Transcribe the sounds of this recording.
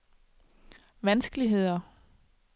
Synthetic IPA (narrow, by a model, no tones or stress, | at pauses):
ʋænsɡ̥əliɦe̝ð̞̰ˠɐ